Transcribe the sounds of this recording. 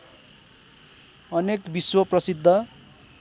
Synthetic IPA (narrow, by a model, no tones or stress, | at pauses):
ʌnekbiswʌprʌsid̪ʱːʌ